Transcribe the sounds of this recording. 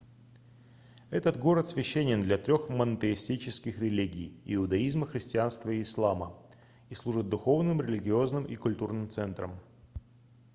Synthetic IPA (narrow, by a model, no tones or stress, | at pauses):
ɛt̪ət̪ɡo̞ɾət̪svʲɪɕːenʲɪnd̪lʲɐt̪ɾʲo̞xmənət̪əɪsʲtʲit͡ɕɪskʲɪxɾʲɪlʲiɡʲɪjɪʊd̪ɐizməxɾʲɪsʲtʲɪanst̪vəɪːslˠamə | islˠuʐɨt̪̚d̪ʊxo̞vnɨmɾʲɪlʲɪɡʲɪo̞znɨmʔḭkʊlʲt̪urnɨmt̪sɛnt̪ɾə̰m